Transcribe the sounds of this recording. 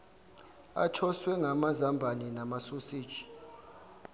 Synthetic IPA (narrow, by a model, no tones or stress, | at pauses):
a̰t͡ʃʰɔswɛŋɡʱamazambʱaninamasusiːd̥ʒ̥ʱi̥